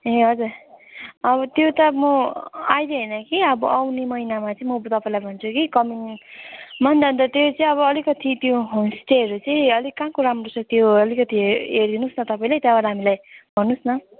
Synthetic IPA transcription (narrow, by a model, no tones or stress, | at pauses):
ɦeɦʌd͡zur | ʌβʌt̪jot̪ʌmʌajd̪eɦʌnʌkiʌbʌʔawnemʌinamat͡sʌĩmʌt̪ʌpaĩlajbʱʌnt͡sʰukikʌmin | mʌnd̪ʱʌnd̪ʌt̪jot͡sʌĩʌβʌːlikʌt̪ʰit̪joɦonsteʌɾut͡sʌj̃ʌlikãkoɾamrosʌt̪joʌlikʌt̪iɦerd̪inusnʌt̪ʌpaĩlet̪jabaɾaɦamilajbʱʌnːusnʌ